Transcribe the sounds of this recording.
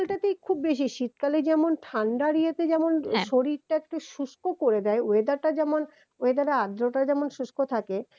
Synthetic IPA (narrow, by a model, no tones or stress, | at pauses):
lʈat̪ekʰubbeʃ̬iʃit̪kaled͡ʑɛmonʈʰaɳɖaɾijat̪ed͡ʑɛmonʃoɾiɾʈaɛkʈaʃuʃkokoɾed̪ɛeoed̪aɾʈad͡ʑɛmon | oed̪aɾaad̪ɾoʈad͡ʑɛmonʃuʃkot̪ʰake